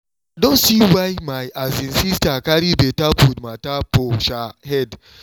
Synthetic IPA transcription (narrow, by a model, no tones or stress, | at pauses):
dõnsiwajmajʔazĩnsistakaɾibetapudmatapoʃahɛd